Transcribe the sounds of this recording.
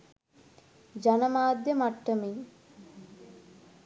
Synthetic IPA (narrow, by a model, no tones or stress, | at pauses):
d͡ʒanəmaːd̪jəmaʈːəmiŋ